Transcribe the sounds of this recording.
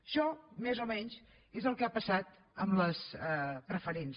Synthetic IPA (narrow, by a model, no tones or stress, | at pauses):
ʃɔmezomɛɲs | ezəlˠkapəsat̪ | əmləsəpɾəfəɾens